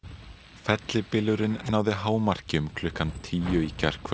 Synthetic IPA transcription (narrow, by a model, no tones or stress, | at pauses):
fɛt̪lɪpɪlʏɾɪnːaːwðɪɦaːwmar̥cɪʏmkʰlʏhkant̪ʰiːjʏicar̥kʰ